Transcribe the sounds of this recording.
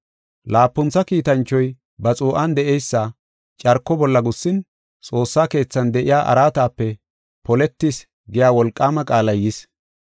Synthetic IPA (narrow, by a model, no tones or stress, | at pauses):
laːpːʊnt͡sːɐkiːt̪ɐnt͡ʃːɔj | bɐt͡sʼuːʔɐnd̪ɛʔɛjsːɐ | t͡ʃʼɐɾkːɔbɔlːɐɡʊsːɪn | t͡sʼo̞ːsːaːke̞ːt͡sːɐnd̪ɛʔɪjaːʔɐ̰ɾaːt̪aːpːɛ | pɔlɛt̪ːɪs | ɡɪjaːwɔlkʼːaːmɐkʼaːlɐjɪs